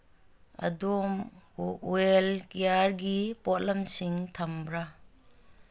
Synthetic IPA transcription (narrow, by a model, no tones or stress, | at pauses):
ɐ̰dom | welkijaɾɡipɔt̚lɐmsiŋtʰɐmbɾa